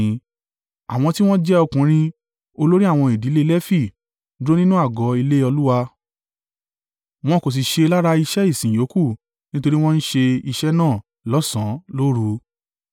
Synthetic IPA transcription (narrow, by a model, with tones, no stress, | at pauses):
a˨w̃ɔ̃˧ti˦w̃ɔ̃˦d͡ʒɛ˦ɔ˧kũ˨˦ɾ̃ĩ˧ | o˧lo˦ɾi˦a˦˨w̃ɔ̃˧i˨di˨˦le˦lɛ˦fi˦˨ | dɾo˦nĩ˦nũ˦a˦˨ɡɔ˨˦i˧le˦ɔ˧lu˦wa˧ | w̃ɔ̃˦ko˨s̬i˨ʃe˧la˦ɾa˧i˧ʃɛ˦i˦˨sĩ˨jo˨˦ku˦˨ | nĩ˦to˧ɾi˦w̃ɔ̃˦n̩˦ʃe˧i˧ʃɛ˦nãː˦˨ | lɔ˦sã˨˦lo˦ɾu˧